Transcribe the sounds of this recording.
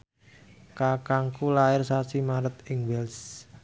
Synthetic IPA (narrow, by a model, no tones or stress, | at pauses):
kakaŋkulaɪrsasimaɾət̪ɪŋwɛls